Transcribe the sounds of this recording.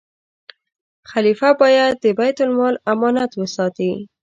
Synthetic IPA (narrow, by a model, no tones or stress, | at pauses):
xalifabɑjad̪ːəbajt̪ʊlmɑlamɑnat̪wəsɑt̪i